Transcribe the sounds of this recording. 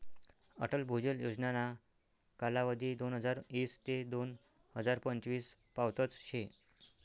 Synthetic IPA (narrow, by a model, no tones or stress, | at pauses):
ə̰ʈəlbʱud͡ʑəljod͡znana | kalaʋəd̪ʱiːd̪onɦəd͡zaɾiːst̪ed̪on | həd͡zaɾpəɲt͡ɕʋiːspawt̪ət͡sɕe